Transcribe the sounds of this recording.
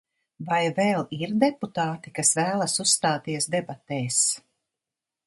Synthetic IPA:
vajvɛːlˠiɾd̪ɛput̪aːt̪ikasvæːlˠasusst̪aːt̪iɛsd̪ɛbat̪ɛːs

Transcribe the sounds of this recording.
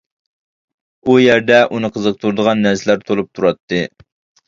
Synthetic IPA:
ujæɾd̪ɛʔunɨqʰəzəq̚t̪ʰuɾd̪əʁɑnːæɾsɪlæɾt̪ʰolˠup̚t̪ʰuɾɑt̪ʰːɨ

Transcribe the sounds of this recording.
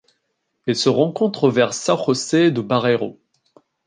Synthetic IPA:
ɛlsəʁɑ̃kɔ̃t̪χəvɛʁsaχɔsed̪əbaʁeʁo̰

